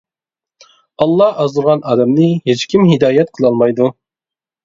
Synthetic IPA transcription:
ɑlˠːɑhɑzd̪ɨɾʁɑnɑːd̪ɛmnɨɦet͡ʃkʲʰimɦid̪ɑːjɛt̪̚qʰəlˠɑlˠmɑjd̪u

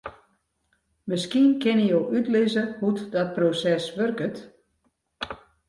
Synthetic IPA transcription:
məskiənkɪnijowʔytlɪzəhutdɔt̚prosɛsʋørkət

